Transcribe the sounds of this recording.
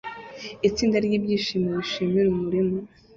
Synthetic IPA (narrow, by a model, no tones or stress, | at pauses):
it͡siːndaɾɟiːbɟiːʃiːmioiʃiːmiɾumuɾimo